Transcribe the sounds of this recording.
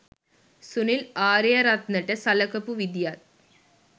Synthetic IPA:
sunilaːɾɐjɐɾɐt̪nɐʈːɐsɐlɐkɐpːuʋid̪jaːt̪

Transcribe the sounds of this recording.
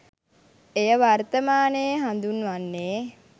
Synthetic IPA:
ejəʋart̪əmaːnejəɦand̪unʋanːe

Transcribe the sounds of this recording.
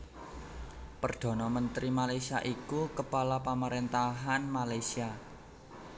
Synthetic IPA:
pərd̪̥ɔ̤nɔmənt̪ɾimalajsiaʔikukəpalapaməɾent̪aɦanmalajsia

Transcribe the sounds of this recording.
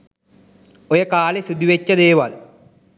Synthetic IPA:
oɾekaːlesid̪iʋet͡ɕːɐðeːʋaːl

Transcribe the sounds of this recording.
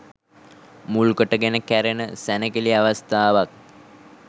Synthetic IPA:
mulkəʈəɡenəkæɾenəsænəkiliaʋast̪aːʋak̚

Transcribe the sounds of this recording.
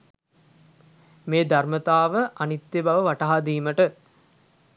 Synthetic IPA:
meːd̪armət̪aːʋəʔanit̪jebaʋəʋaʈaɦad̪iːməʈə

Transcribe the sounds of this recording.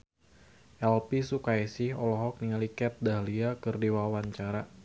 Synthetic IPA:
ʔɛlpisukajsɪhɔlɔɦɔk̚niŋalikɛt̪̚daɦliakɨrdiwawaɲt͡ʃaɾa

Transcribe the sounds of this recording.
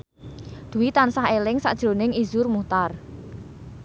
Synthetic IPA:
d̪̥ṳwit̪ansaɦelɪŋsa̰ʔd̥ʒ̥ɾonɪŋizʊrmut̪ar

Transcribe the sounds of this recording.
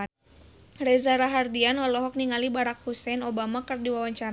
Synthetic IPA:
rɛzaɾaɦardianɔlɔɦɔk̚niŋalibaɾakhusɛnɔbamakɨrdiwawaɲt͡ʃaɾ

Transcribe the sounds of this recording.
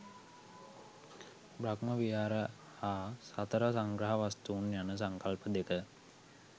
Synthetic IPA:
bɾakməʋijaːɾə | haːsat̪əɾəsaŋɡɾaɦaʋast̪uːnjanəs̬aŋkalpəd̪ekə

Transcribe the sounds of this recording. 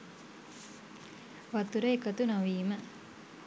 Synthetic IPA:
ʋat̪uɾəekət̪unoʋiːmə

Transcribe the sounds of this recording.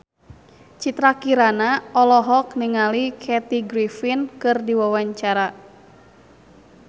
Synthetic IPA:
t͡ʃit̪ɾakiɾanaɔlɔɦɔkniŋalikʰɛt̪iɡɾifinkɨrdiwawaɲt͡ʃaɾa

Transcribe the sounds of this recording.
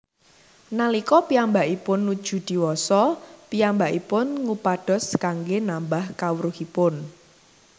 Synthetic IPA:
nalikɔpiambaʔipʊnːud̥ʒ̥ṳd̪̥i̤wɔsɔpiambaʔipʊnŋupaɖ̥ɔ̤skaŋɡenambahkawəɾuhipʊn

